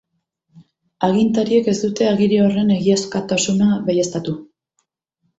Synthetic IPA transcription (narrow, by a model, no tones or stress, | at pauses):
aɣint̪aɾie̞ke̞sd̪ut̪e̞aɣiɾio̞re̞ne̞ɣiaskat̪asunaβejest̪at̪u